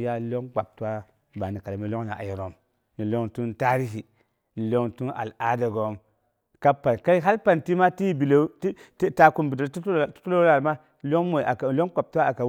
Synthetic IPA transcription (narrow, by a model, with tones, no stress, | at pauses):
ja˦lo˦ŋk͡pa˨b̚tu˦wa˦˨ | ba˨ni˨ka˨lmi˦lo˦ŋna̰˨ʔa̰˨ji˨ɾo˨m | ni˨lo˦ŋtu˦nta˦ɾi˦si˨ | ni˨lo˦ŋtu˦na̰˨la˦da˨ɡo˨˦m | ka˦pa˨nka˦i˦ɦa˦lpa˨nti˦ma˦ti˦bi˨le˦ttta˨ku˨mbi˨do˨ɾu̥˦tu˦lo˦la˨lma˦ | lo˦ŋmo˨a˨lo˦ŋk͡pa˨p̚ta˦a˨ka˨